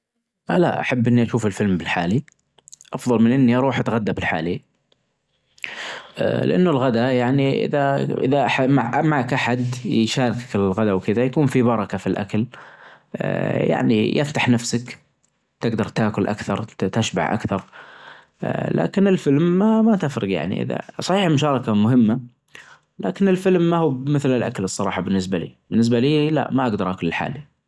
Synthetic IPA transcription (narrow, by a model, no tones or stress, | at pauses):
ʔala̰ʔa̰ħabːʔɪnːiʔaʃuːfɪlfɪlmbɪlħaːli | ʔɑfðˤɑlmɪnʔɪnːiʔɑɾˤuːħʔat̪ɣad̪ːabɪlħa̰ːli | ʔlɪ̰ʔa̰nːʊlɣad̪ajaʕniʔɪ̰ðaʔɪ̰ðaʔaħamaʕʔamaʕkʔaħad̪ʃaːɾɪkakɪllɣad̪awkɪðajakuːnfibɑɾˤɑkafilʔa̰kal | ja̰ʕnḭjʔɪft̪aħnafsak | t̪ɪɡd̪ɑɾˤt̪aːkʊlʔa̰kθɑɾˤt̪aʃba̰ʕʔa̰kθɑɾˤ | la̰ːkɪnɪlfɪlmːamat̪afɾɨɡja̰ʕnḭʔɪ̰ða̰sˤɑħiːħmʊʃɑːɾˤɑkamʊɦɪmːa | laːkɪnɪlfɪlmːahuːmɪθlɪlʔa̰kalɨsˤːɑɾˤɑ̰ːħɑbɪnːɪs̬balḭːb̥ɪnːɪs̬baliːla̰ʔmaʔaɡd̪ɑɾˤʔakʊlɪlħa̰ːli